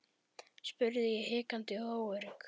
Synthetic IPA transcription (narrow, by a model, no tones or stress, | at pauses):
spʏɾðɪjɛhɪːkant̪ɪoːwœɾɪŋk